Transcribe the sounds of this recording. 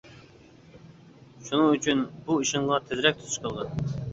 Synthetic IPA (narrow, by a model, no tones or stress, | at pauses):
ʃunɨŋyt͡ʃʰynbuiʃɪŋʁɑt̪ʰɪzɾɛk̚ʲt̪ʰu̥t̪ʰu̥ʃqʰəlˠʁɑn